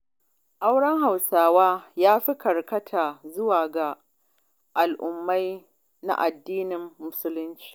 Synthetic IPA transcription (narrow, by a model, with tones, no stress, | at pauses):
ʔa˦wɽɐ˦ŋɦa˨wsaː˦waː˦jaː˦ɸi˦kɐ˨rkɐ˦tʰaː˨zʊ˦waː˨ɡa˨ | ʔa˨lʔʊ˨mːa˦j | na̰˦ʔa˨dːiː˦nɪ˨mːʊ˦sʊ˦lʊ˦nt͡ʃi̥ː˨